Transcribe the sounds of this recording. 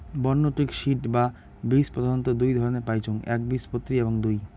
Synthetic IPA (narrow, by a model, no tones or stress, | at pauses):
bɔnːoʈɾikʃiʈba | bispod̪ʱont̪od̪ujd̪ʱɔɾoneɾpajt͡ɕʰoŋɛ̰k̚bispot̪ːɾieboŋd̪uj